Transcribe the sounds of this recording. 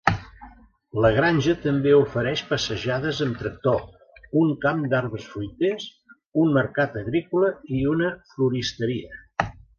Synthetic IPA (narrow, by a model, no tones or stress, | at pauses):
ləɣɾanʲʒət̪əmbeufəɾɛʃpəsəʒaðəzəmt̪ɾək̚t̪o | uŋkamd̪aɾβəsfɾujt̪es | unməɾkat̪əɣɾikuləiunəfluɾist̪əɾiə